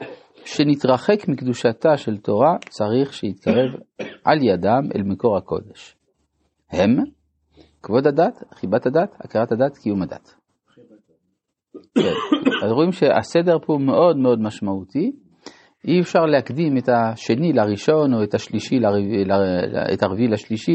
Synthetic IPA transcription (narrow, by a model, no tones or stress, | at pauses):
ʃe̞nit̪ʁaχe̞kmikd̪uʃataʃe̞ltʰo̞ʁat͡saʁiχʃejit̪kʰaʁe̞vʔa̰ljadamʔḛlmeko̞ʁhako̞̰d̪eʃ | he̞m | kvo̞dadat̪χibat̪hadatha̰keʁathadatkijumada̰t̪ | kḛnazʁoimʃeʔa̰sede̞ʁpomeʔo̞dmeo̞d̪maʃmaut̪i | ʔiefʃaʁleakdimet̪aʃe̞nilaʁiʃo̞no̞etaʃliʃilalaḛtaʁvilaʃliʃi